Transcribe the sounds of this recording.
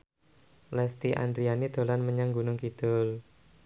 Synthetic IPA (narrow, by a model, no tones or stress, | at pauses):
lɛst̪iʔa̰nd̪ɾianid̪̥o̤lanməɲaŋɡunʊŋkid̪̥ʊl